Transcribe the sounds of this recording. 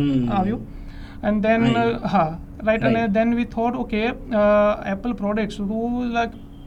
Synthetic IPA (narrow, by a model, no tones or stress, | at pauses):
aʋju | ɛ̃ɳɖd̪ɛ̃nha | ɾaɪʈə̃nẽd̪ɛ̃nʋiːt̪ʰɔːʈoːke | ɛpəlpɾɔɖek̚ʈsuʈulaɪk